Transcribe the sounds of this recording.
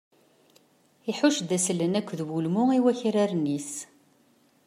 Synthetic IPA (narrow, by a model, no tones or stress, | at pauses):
iħʊʃd̪æslənækʷːðwulmʊiwæçɾaɾnis